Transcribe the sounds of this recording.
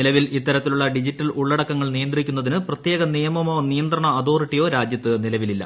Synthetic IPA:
ilɐʋilit̪ːɐɾɐt̪ːiluɭːɐɖid͡ʑitːɐluɭːɐɽɐkːɐŋːɐɭnijɐnd̪rikʲːunːɐðinɨprɐt̪jeːɡɐnijɐmɐmo̞ːnijɐnd̪rɐɳɐːðo̞ːriʈːijo̞ːɾaːd͡ʑjɐt̪ːɨnilɐʋililːɐ̰

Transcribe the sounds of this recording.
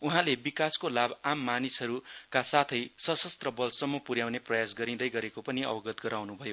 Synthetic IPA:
uɦãlebikaskolabamːanisʌɾukasat̪ʰʌjsʌsʌst̪rʌbʌlsʌmːʌpuɾjawneprʌjas̬ɡʌɾĩd̪ʌjɡʌɾekopʌniʌ̰bʌɡʌt̪ɡʌɾawnubʱʌjo

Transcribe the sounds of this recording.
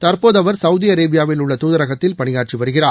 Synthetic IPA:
t̪ɐɾpoːðɐʋɐɾsɐwðiɐɾeːbɪjaːʋɪlʊɭːɐt̪uːðɐɾɐɣɐt̪ːɪlpɐɳɪjaːʈ̚t͡ʃiʋɐɾɯɣɪraː

